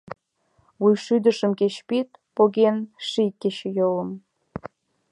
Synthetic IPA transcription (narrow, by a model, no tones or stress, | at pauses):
βujʃyd̪ə̆ʃə̆mkeɕpit̪̚poɣenʃikʲːet͡ɕejolə̆m